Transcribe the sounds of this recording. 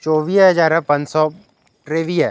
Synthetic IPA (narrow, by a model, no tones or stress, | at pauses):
t͡ʃɔːʋiːsɦɐd͡ʒaːɾɛ̃pɐ̃nd͡ʒsɔ | ʈɾeːʋiɦɛː